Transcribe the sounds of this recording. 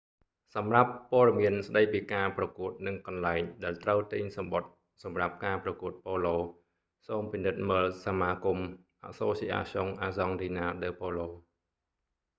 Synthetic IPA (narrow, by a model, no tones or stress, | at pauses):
sɑmrapːoəɗɑmiənsɗəjpiːkaːprɑkuət̪̚nɨŋkɑnlaɛŋɗaɛlt̪rəwt̪iɲsɑmɓot̪̚ | sɑmrap̚kaːprɑkuət̪̚poːloː | soːmpinɨt̪̚məːlsamaːkum | ʔa̰ʔsoːsiːʔa̰ːsoŋʔaːzɑŋtinaːɗəːpoːloː